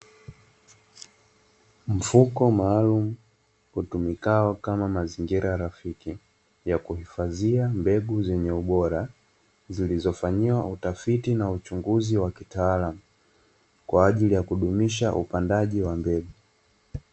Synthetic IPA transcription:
m̩fukɔmaːlumu | hutumikaɔkamamaziŋɡiɾajaɾafiki | jakuhifaziambɛɡuzɛɲɛuɓɔɾa | zilizɔfaɲiwaʔutafitinaut͡ʃuŋɡuziwakitaːlamu | kwaːʄilijakuɗumiʃaʔupandaʄiwambɛɡu

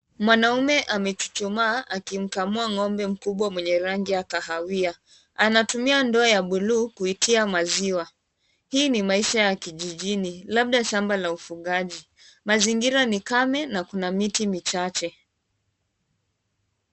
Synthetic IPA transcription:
mwanaumɛʔamɛt͡ʃu̥t͡ʃumaːʔakim̩kamuaŋɔmbɛm̩kuɓwamwɛɲɛɾaŋɡiakahawia | anatumiandɔːjaɓuluːkuitʰiamaziwa | hiːnimaiʃajakiʄiʄinilaɓ̚ɗaʃambalaufuɠaʄi | maziŋɡiɾanikamɛnakunamitimit͡ʃat͡ʃɛ

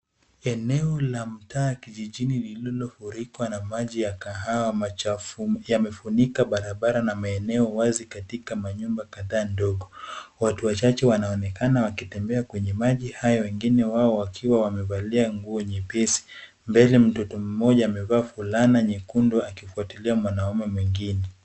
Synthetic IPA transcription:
ɛnɛɔlam̩taːjakiʄiʄinililillɔfuɾikwanamaʄijakaɦaw | jamɛfunikaɓaɾaɓaɾanamaɛnɛɔwazikatikamaɲumbakaðaːndɔɠɔwatuwat͡ʃat͡ʃɛwanaɔnɛkanawakitɛmbɛakwɛɲɛmaʄihajɔwɛŋɡinɛwaɔwakʰiwawamɛvaliaŋɡuɔɲɛpɛsi̥ | mbɛlɛm̩tɔtɔm̩mɔʄaːmɛvaːfulanaɲɛkundɔakifuatiliamwanaumɛmwiŋɡinɛ

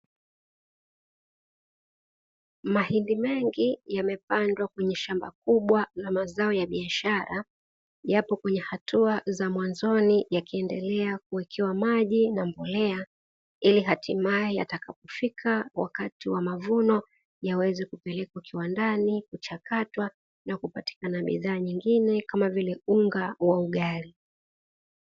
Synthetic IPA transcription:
mahindimɛŋɡijamɛpandwakwɛɲɛʃamba̰k̚uɓwalamazaɔjaɓiaʃaɾa | japɔkwɛɲɛhatuazamwanzɔnijakiɛndɛlɛakuwɛkʰɛwamaʄinambɔlɛa | iliɦatʰimajɛja̰takapɔfikʰawa̰katiwamavunɔ | jawɛzɛkupɛlɛkwakiwandanikut͡ʃakatwa | nakupati̥kanaɓḭðaːɲiŋɡinɛkamavilɛuŋɡawauɠaɾi

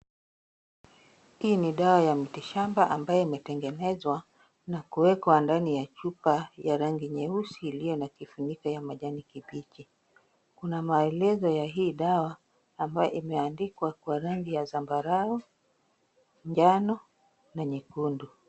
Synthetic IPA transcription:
hiːniɗawajamitiʃambaʔambajɔimɛtɛŋɡɛnɛzwa | nakuwɛkwandanijat͡ʃupajaɾaŋɡiɲɛusiːlijɔnakifuɲikajamaʄanikiɓit͡ʃi | kunamaɛlɛzɔjaɦiːɗawaː | mbajɔʔimɛandikwakwaɾaŋɡijazambaɾau | ɲd͡ʒanɔ | naɲikundu

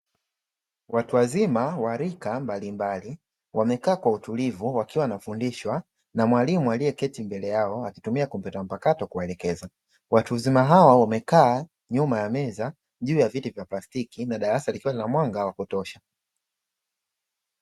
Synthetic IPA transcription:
watuwazimawaɾikambalimbali | wamɛkaːkwautulivuwakiwanafundiʃwa | namwalimualiɛkɛtimbɛlɛjaɔakitumiakum̩pɛtam̩pakatɔkuwaɛlɛkɛza | wʔatuzimaɦawawamɛkaː | ɲumajamɛza | ʄuːjavitivjaplastikinaɗaɾasalikiwalilamwaŋɡawakutɔʃa

